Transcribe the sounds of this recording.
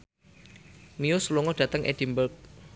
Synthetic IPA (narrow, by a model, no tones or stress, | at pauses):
miosluŋɔd̥ä̤t̪əŋʔḛd̥imbərk̚